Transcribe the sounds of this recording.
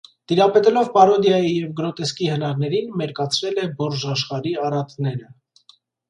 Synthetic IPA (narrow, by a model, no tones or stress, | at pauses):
t̪iɾɑpɛt̪ɛlɔvpɑɾɔd̪jɑjijɛvɡəɾɔt̪ɛskihənɑɾnɛɾinmɛɾkɑt͡sʰɾɛlɛbɔɾʒɑʃχɑɾiɑrɑt̪nɛɾə